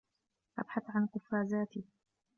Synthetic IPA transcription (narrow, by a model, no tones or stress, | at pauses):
ʔa̰bħaθʕanqʊfːaːzaːt̪ɪ